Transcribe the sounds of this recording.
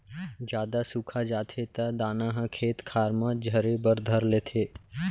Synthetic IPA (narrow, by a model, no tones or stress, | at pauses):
d͡ʒjaːd̪asukʰad͡ʒaːt̪ʰet̪ad̪aːnãɦəkʰeːt̪kʰaːɾmãd͡ʒʱəɾebəɾd̪ʱəɾleːt̪ʰeː